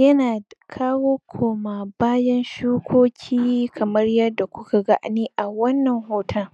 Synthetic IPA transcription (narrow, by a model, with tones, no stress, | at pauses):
jɐ˦naː˨kʰaː˦woː˦kʷʰoː˨maː˨baː˦jɐ˦nʃuː˦kʷʰoː˦kʲʰiː˦kʰɐ˨mɐ˦rjɐ˦dːa˨kʷʊ˦ka˨ɡa̰˦˨ʔniː˦ʔa˨wɐ˦nːɐ˨ŋhoː˦tʰɐ˦